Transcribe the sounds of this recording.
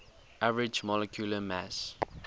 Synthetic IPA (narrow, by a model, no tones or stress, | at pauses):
ʔavəɹɪd͡ʒmɔlɛkʰjuləmæs